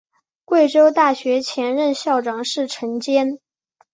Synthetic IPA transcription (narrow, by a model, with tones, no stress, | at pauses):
kwe˥˩ɪʈ͡ʂo˥ʊt̪a˥˩ɕɥɛ˧˥t͡ɕʰjɛ˧˥nɻə˥˧nɕjɑ˥˩ʊʈ͡ʂɑ˨˩ŋʂɻ̩˥˩ʈ͡ʂʰə˧˥ŋt͡ɕjɛ˥n